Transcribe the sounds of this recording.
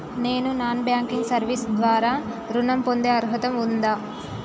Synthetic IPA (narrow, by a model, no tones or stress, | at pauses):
ne̞ːnunaːnbjaːŋkiŋɡsɐɾʋisd̪ʋaːɾaː | ɾunɐmpond̪eːɐɾɦɐt̪ɐmund̪aː